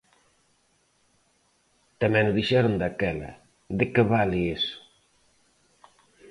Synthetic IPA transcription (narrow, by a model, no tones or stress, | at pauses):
t̪amɛnuðiʃɛɾond̪akɛlɐ̰ | d̪ekeβaliesu̥